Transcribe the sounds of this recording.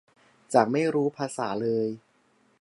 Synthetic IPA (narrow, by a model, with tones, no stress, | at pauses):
t͡ɕaː˨˩k̚ma˥˩jɾuː˦˥pʰaː˧saː˩˦lɤː˧j